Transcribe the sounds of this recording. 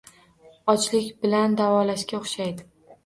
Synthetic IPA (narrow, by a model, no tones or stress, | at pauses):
ɒt͡ʃlɪkʲbɪland̪avɒlaʃkʲaoχʃajd̪ɪ